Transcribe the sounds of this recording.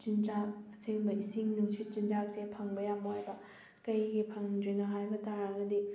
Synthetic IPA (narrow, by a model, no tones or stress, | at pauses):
t͡ʃind͡ʒaɐsiŋbɐisiŋnuŋsʰit̚t͡ʃind͡ʒak̚sepʰɐŋbɐjambɐhajbɐ | kɐjɡipʰɐŋdɾinɐɦajbɐtaɾaɡɐdi